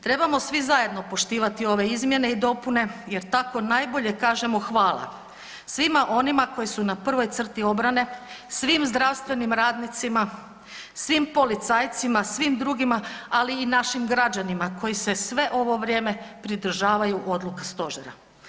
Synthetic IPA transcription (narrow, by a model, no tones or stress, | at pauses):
t̪ɾe̞bamo̞sʋizaje̞d̪no̞po̞ʃt̪iːʋat̪io̞ʋe̞izmje̞ne̞id̪o̞pune̞je̞ɾt̪ako̞najbo̞ʎe̞kaːʒe̞mo̞xʋaːlˠa̰ | sʋimaʔo̞nimako̞jisunapr̩ʋo̞jt̪sr̩t̪io̞bɾane̞sʋimzd̪ɾaʋst̪ʋe̞nimɾaːd̪nit̪sima | sʋimpo̞lit̪saːjt̪simasʋimd̪ɾuɡimaaliːnaʃimɡɾad͡ʑanimako̞jise̞sʋe̞ʔo̞ʋo̞ʋɾje̞ːme̞pɾid̪ɾ̩ʒaːʋajuʔo̞d̪lˠukast̪o̞ʒeɾa̰